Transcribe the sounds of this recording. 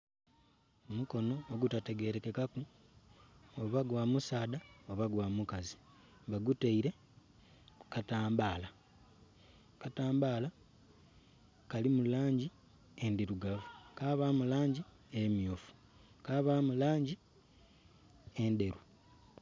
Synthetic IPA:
omuko̞no̞ːɡutate̞ɡe̞ɾe̞kekaku | oβaɡwaːmusaːdaoβaɡwaːmukazi | βaɡuteiɾe̞ | ukataːmbaːla | kataːmbaːla | kalimulaːɲɟi | endiɾuɡavukaβaːmulaːɲɟi | emjoːfu̥ | kaːβaːmulaːɲɟi | ende̞ɾu

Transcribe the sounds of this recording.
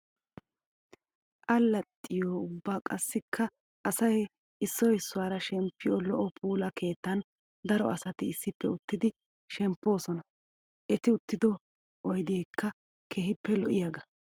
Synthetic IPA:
ʔɐlːɐt̪ʼːɪjoːʊbːaːkʼɐsːɪkʰːɐ | ʔɐsɐj | ɪsːɔjɪsːʊwaːɾɐʃɛmpːɪjɔlɔʔɔpʰuːlɐkʰe̞ːt̪ːɐn | d̪ɐɾɔ̰ʔɐsɐt̪ɪːsːɪpːɛʊt̪ːɪd̪ɪ | ʃɛmpːo̞ːsɔnɐ | ʔɛt̪ɪʊt̪ːɪd̪ɔ | ʔɔjd̪eːkʰːɐ | kʰeːhɪpːɛlɔʔɪjaɡɐ

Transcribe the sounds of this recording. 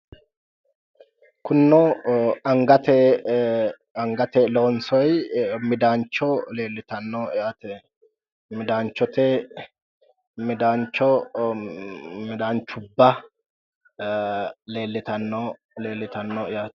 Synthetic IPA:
kʊnːɔɐŋɡɐt̪ɛ | ɐŋɡɐt̪ɛlɔnsɔjmɪd̪aːnt͡ʃːɔle̞ːlːɪt̪ɐnːɔjaːt̪ɛ | mɪd̪aːnt͡ʃːɔt̪ɛ | mɪd̪aːnt͡ʃːɔ | mɪd̪aːnt͡ʃːʊbːɐ | le̞ːlːɪt̪ɐnːɔ | leːlːɪt̪ɐnːɔɪjaːt̪

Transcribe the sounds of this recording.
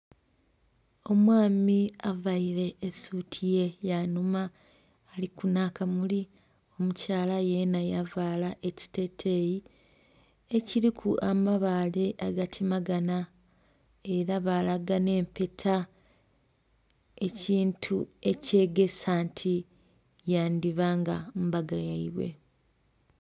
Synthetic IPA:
o̞mwaːmiavaiɾe̞ːsutʰije̞janumaː | likunaːkamuli | o̞mucaːlaje̞najavaːlaʔe̞ci̥te̞tʰe̞ji | eciɾikʰuʔamaβaːle̞ʔaɡatʰimaɡana | e̞ɾaβalaɡane̞ːmpe̞tʰa | e̞ciːntʰue̞ce̞ɡe̞saːntʰi | jaːndiβaːŋɡambaɡajaiβwe̞̰

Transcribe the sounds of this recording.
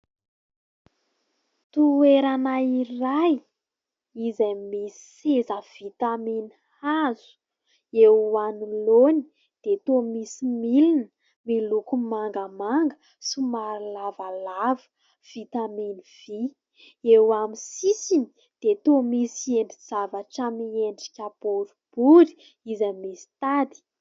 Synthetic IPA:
t̪ueɾanairaj | izamisi̥sezəv̥it̪aminihazu̥ | ewanuloni | d̪̥et̪omisimilinə | milukumaŋɡəmaŋɡə | simaɾlavalavə̥ | v̥it̪aminiv̥i | ewamisisini̥ | d̪̥et̪omisieɳɖ͡ʐiz̥avaʈ͡ʂəmieɳɖ͡ʐikʲab̥oɾub̥uɾi̥ | izamisi̥t̪ad̪i̥

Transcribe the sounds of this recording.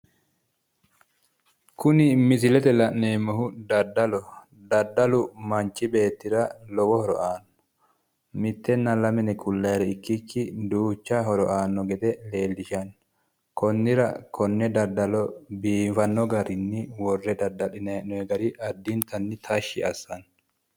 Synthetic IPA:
kʊnɪmɪsɪlɛt̪ɛlɐʔneːmːɔhʊd̪ɐd̪ːɐlɔ | d̪ɐd̪ːɐlʊmɐnt͡ʃːɪbe̞ːt̪ːɪɾɐlɔwɔhɔɾɔ̰ʔaːnːɔ̥ | mɪt̪ːɛnːɐlɐmɛnɛkʰʊlːɐjɾɛɪkːɪkːɪd̪uːt͡ʃːɐhɔɾɔʔaːnːɔɡɛd̪ɛle̞ːlːɪʃɐn | kɔnːɪɾɐkʰɔnːɛd̪ɐd̪ɐlɔbiːfɐnːɔɡɐɾɪnːɪwɔrːɛd̪ɐd̪ɐlɪnɐɛnɔɛɡɐɾiʔɐd̪ːint̪ɐnːɪt̪ʰɐʃːɪɐsːɐn

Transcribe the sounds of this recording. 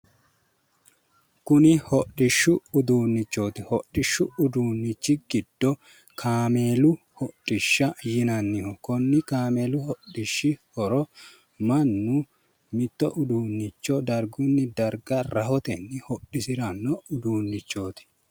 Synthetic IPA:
kʊnɪhɔɗɪʃːʊʊd̪uːnːɪt͡ʃːo̞ːt̪ɪhɔɗːɪʃːʊʊd̪uːnːɪt͡ʃːɪɡɪd̪̥ːɔ | kʰaːmeːlʊ | hɔɗʼːɪʃːɐjɪnɐnːɪhɔkɔnːɪkaːme̞ːlʊhɔɗɪʃːɪhɔɾɔ | mɐnːʊ | mɪt̪ːɔʔʊd̪uːnːɪt͡ʃːɔd̪ɐɾɡʊnːɪd̪ɐɾɡɐɾɐhɔt̪ɛnːɪhɔɗːɪsɪɾɐnːɔʊd̪uːnːɪt͡ʃːo̞ːt̪ɪ̥

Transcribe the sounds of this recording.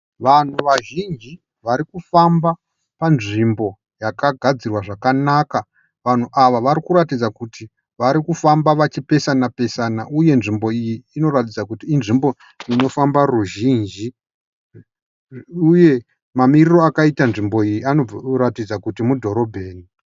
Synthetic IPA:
ʋan̤uʋaʒind͡ʒi | ʋaɾikufamba | panʐimbo̞ | jakaɡʱad͡zirwaʐakanaka | ʋan̤uʔaʋaʋaɾikuɾatid͡zakuti | ʋaɾikufambaʋat͡ʃipe̞sanape̞sanaʔuje̞nʐimbo̞ijiːno̞ɾatid͡zakutiːnʐimbo̞ | ino̞fambaruʒind͡ʒi | uje̞ | mamiriro̞akaitanʐimbo̞ijianoratid͡zakutimudʱo̞ɾo̞bʱe̞ːni

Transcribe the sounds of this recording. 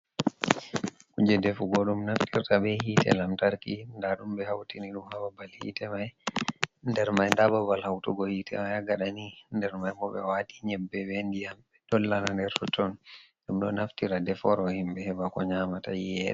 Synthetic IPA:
kud͡ʒɛdɛfuɡɔɗumnaftiɾtaɓɛhiːtɛ̰lamtaɾkindaɗumbɛhawtiniɗumhababalhḭːtɛmaj | ndɛɾmajndababalhawtuɡɔhiːtʰɛ̰majaɡaɗanindɛɾmajmɔɓɛwaɗiɲɛbːɛwɛndijamɓɛdɔlːanandɛɾtɔtɔnɗumɗɔnaftiɾadɛfɔɾɔhimbɛhɛbakɔɲamatajɛɗɛ

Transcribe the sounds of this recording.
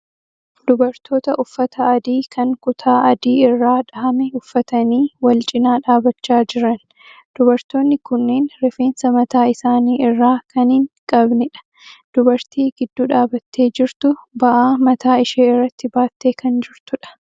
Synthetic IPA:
d̪̥ʊbɐɾt̪ʰo̞ːt̪ɐʔʊfːɐt̪ʰɐɐd̪iːkʰɐŋkʼʊt̪ʰaːʔɐd̪iːɪrːaːᶑɐɐmɛʊfːɐt̪ɐniːwɐlt͡ʃʼɪnaːᶑaːbɐt͡ʃːaːd͡ʒɪɾɐn | d̪̥ʊbɐɾt̪o̞ːnːɪkʊnːeːnɾɛfe̞ːnsɐmɐt̪aːɪsaːniːɪrːaːkɐnɪŋkʼɐbnɪᶑɐ̥ | d̪̥ʊbɐɾt̪iːɡɪd̪ːuːᶑaːbɐt̪ʰːe̞ːd͡ʒɪɾt̪ʊbɐʔaːmɐt̪aːɪʃeːɪrːɐt̪ːɪbaːt̪ːe̞ːkɐnd͡ʒɪɾt̪ʊᶑɐ̥

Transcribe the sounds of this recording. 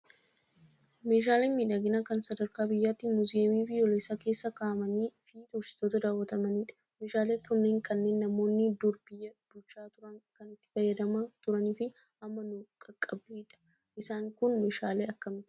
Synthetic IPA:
me̞ːʃ̬aːleːnmiːᶑɐɡɪnakɐnsɐd̪ɐɾkaːbɪjːaːt̪ːɪmʊziːmiːfɪjoːleːsaːke̞ːsːɐkaːmɐniːfiːt̪ʊɾsɪ̥t̪oːt̪ɐd̪aːwːɐt̪ɐmɐniːᶑɐ̥ | meːʃaːleːɐkːɐmneːŋkʰɐnːe̞ːnːɐmo̞ːnːɪd̪ʊɾbɪjːɐb̥ʊlt͡ʃːaːt̪ʊɾɐŋkɐnɪt̪ːɪ̥fɐjːɐd̪ɐmɐt̪ʊɾɐniːfɪ | ɐmːɐnʊkʼɐkʼːɐbiːᶑɐ̥ | ʔɪsaːŋkʊnmeːʃaːleːɐkːɐmɪt̪

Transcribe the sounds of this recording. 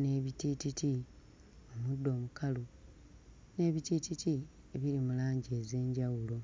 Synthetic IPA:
ne̞βitititi | omudːo̞ːmukʰalu | ne̞ːβitititi | eβiɾimulaːɲɟe̞ːze̞ːɲɟawulo̞

